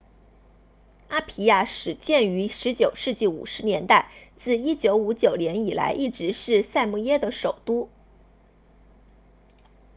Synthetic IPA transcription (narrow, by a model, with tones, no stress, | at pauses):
a˥pʰi˧˥ja˥˩ʂɻ̩˨˩t͡ɕjɛ˥˩ny˧˥ʂɻ̩˧˥t͡ɕjo˨˩ʊʂɻ̩˥˧t͡ɕi˥˩ṵ˨˩ʂɻ̩˧˥njɛ˧˥nt̪a˥˧ɪt͡sɹ̩˥˩i˥t͡ɕjo˧˥ʊu˧˥t͡ɕjo˨˩ʊnjɛ˧˥ni˨˩la̰˧˥ɪʔi˥˩ʈ͡ʂɻ̩˧˥ʂɻ̩˥˧sa˥˧ɪmu˥˩jɛ˥d̪ə˨ʂo˨˩ʊt̪u˥